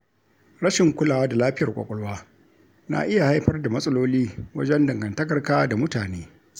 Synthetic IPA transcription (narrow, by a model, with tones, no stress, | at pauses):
ɾɐ˦ʃɪ˨ŋkʷʊ˦laː˨waː˦da˨laː˦ɸɪ˦jɐ˨kʷʼa̰˨kʷʼɔ˦ɽwaː˦ | na̰˨ʔɪ˦ja˨ha˦jɸɐ˦rda˨mɐ˦sʼɐ˦loː˦liː˦wɐ˦d͡ʒɛ˦ndɐ˨ŋɡɐ˨ntɐ˦kɐ˨rkaː˦da˨mʊ˦taː˨neː˦